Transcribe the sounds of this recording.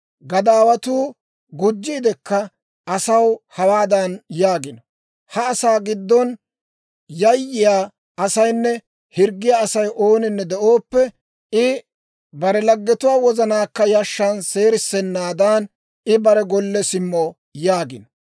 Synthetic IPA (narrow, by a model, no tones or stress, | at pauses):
ɡɐd̪aːwɐt̪uː | ɡʊd͡ʒːiːd̪ɛkːɐ | ɐsɐwhɐwaːd̪ɐnjaːɡɪnɔ | hɐːsaːɡɪd̪ːɔn | jɐjːɪjaː | ɐsɐjnːɛ | hɪɾɡːɪjaːsɐjʔo̞ːnɪnːɛd̪ɛʔoːpːɛ | ɪ | bɐɾɛlɐɡːɛt̪ʊwaːwɔzɐnaːkːɐjɐʃːɐnse̞ːɾɪsːɛnːaːd̪aːn | ɪbɐɾɛɡɔlːɛsɪmːɔ | jaːɡɪnɔ